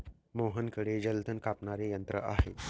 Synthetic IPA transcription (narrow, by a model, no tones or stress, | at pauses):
moɦənkəɽed͡ʑəlt̪ʰənkapɳaɾejənt̪ɾə̰ʔa̰ɦe